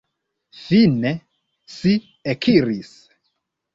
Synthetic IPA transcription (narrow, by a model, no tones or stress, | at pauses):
fine | si | ekʰiɾis